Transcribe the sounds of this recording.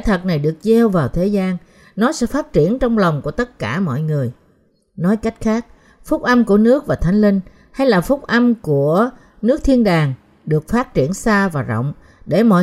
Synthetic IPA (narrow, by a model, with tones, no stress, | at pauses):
ɛ˧˥t̪ʰə˨˩t̚na˨˩jɗɨ˨˩ək̚ze˧wvaː˨˩wt̪ʰe˨˦zaː˧n | nɔ˨˦sɛ̰˧˥faː˦˥t̚t͡ɕi˧˩ənt͡ɕɔ˧wŋ͡mla˨˩wŋ͡mku˧˩ət̪ə˦˥t̚kaː˧˩mɔ̰˧˨jŋɨ˨˩əj | nɔ˨˦jka˦˥jk̟̚xaː˦˥k̚ | fʊ˦˥k͡p̚ʔa˧mku˧˩ənɨ˦˥ək̚vaː˨˩t̪ʰa˨˦jŋ̟lï˧ŋ | ha˧jlaː˨˩fʊ˦˥k͡p̚ʔa˧mku˧˩ə | nɨ˦˥k̚t̪ʰi˧ənɗaː˨˩ŋ | ɗɨ˨˩ək̚faː˦˥t̚t͡ɕi˧˩ənsaː˧vaː˨˩zɔ̰˧˨wŋ͡m | ɗe˧˩mɔ̰˧˨